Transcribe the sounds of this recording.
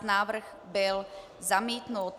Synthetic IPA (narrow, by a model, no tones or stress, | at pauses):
naːʋr̩ɣ | bɛl | zamiːt̪nuːt̪